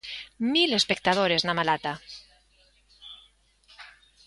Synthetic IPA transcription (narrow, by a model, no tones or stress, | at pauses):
mile̞spek̚t̪aðoɾeznamalat̪a